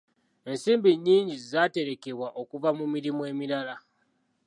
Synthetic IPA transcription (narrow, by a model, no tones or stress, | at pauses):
e̞nsiːmbiɲːiːɲɟizaːte̞ɾe̞ke̞βwaʔo̞kuvamumiɾimue̞ːmiɾala